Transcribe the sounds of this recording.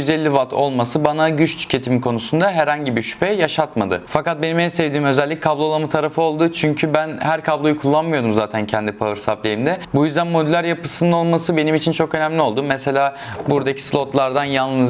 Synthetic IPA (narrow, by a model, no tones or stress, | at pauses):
yzelʲːivat̪ʰo̞lˠmasɯbanaɟyt͡ʃt̪ʰy̥cʰe̞t̪ʰimikʰo̞nusund̪aɦɛɾhaɲɟibiʃy̥pʰɛjaʃat̪mad̪ɯ̰fakat̪̚benimɛsɛvd̪iːmø̞zɛlʲːic̚ʲkʰablˠo̞lˠamɯt̪ʰaɾafɯo̞lˠd̪ʊt͡ʃʰyɲcʰybænhæɾkʰablˠo̞jukʰulˠːanmɯjo̞d̪umzaːt̪ʰæncʰɛnd̪ipʰaɯɾsaplʲejimd̪ɛbujyzd̪ænmo̞d̪ylʲæɾjapɯsɯnɯno̞lˠmasɯbe̞nimit͡ʃʰint͡ʃʰo̞kø̞næmlʲio̞lˠd̪umese̞lʲaː | buɾd̪acʰi̥slˠo̞t̪lˠaɾd̪anjanˠlˠɯz